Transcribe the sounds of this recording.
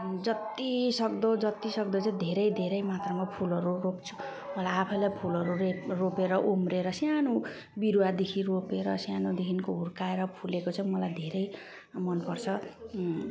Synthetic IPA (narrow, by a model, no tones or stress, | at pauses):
d͡zʌt̪isʌkd̪od͡zʌt̪isʌkd̪ot͡sʌ̃d̪ʱeɾʌjd̪ʱeɾʌjmat̪rʌmapʰulʌɾuropt͡sʰu̥ | mʌlajapʰʌjlajpʰulʌɾureropeɾʌʔumreɾʌsjano | biɾuad̪ekʰiropeɾʌsjanod̪ekʰinkoɦurkaeɾʌpʰulekot͡sʰʌj̃mʌlajd̪ʱeɾʌj | mʌnpʌrt͡sʰʌ